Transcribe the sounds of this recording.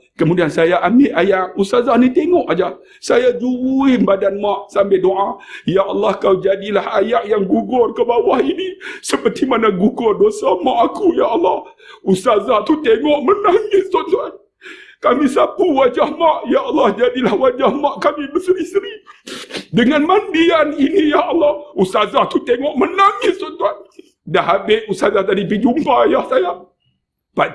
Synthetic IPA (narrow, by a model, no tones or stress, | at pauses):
kəmudiansajaʔameʔajaʔust̪azanit̪eŋɔʔad͡ʒa | sajad͡ʒuwuimbadanmaʔsambedoʔajaʔɑlːɑhkawd͡ʒadilahajaʔjaŋɡuɡʊrkəbawahinisəpərt̪imanaɡuɡʊrdosamaʔakujaɑlːɑh | ust̪azat̪ut̪eŋɔʔmənaŋɪt̪̚sɔnt̪uan | kamĩsapuwad͡ʒahmaʔjaɑlːɑhd͡ʒadilahwad͡ʒahmaʔkamiləsəɾisɾi | dəŋanmanbianinijaɑlːɑhust̪azaht̪ut̪eŋɔʔmənaŋɪssɔnt̪uan | dahɦabɪʔusazaht̪adip̬id͡ʒumpajahsaja | pa